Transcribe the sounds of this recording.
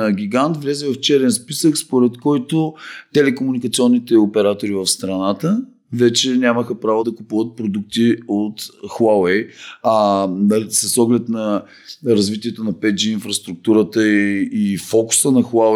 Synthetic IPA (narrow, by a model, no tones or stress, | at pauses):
ɡʲiɡant̪vlʲɛzɛvəft͡ʃɛɾɛnspisəkspoɾɛt̪kɔjt̪ot̪ɛlɛkomunikɐt̪siɔnːit̪ɛopɛɾat̪oɾivɐfst̪ɾɐnat̪ə | vɛt͡ʃɛnʲaməxəpɾavod̪ɐkupuvət̪̚pɾod̪uk̚t̪iot̪xawɛjanɐsəsɔɡlɛt̪nɐ | ɾɐzvit̪iɛt̪onɐpɛt̪d͡ʒiːnfɾɐst̪ɾuk̚t̪uɾət̪əifɔkʊ̥sənɐxa